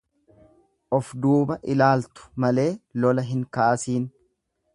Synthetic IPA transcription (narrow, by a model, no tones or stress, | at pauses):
ʔɔfd̪uːbɐʔɪlaːlt̪ʊ̥mɐle̞ːlɔlɐɦɪŋkɐʔɐsiːn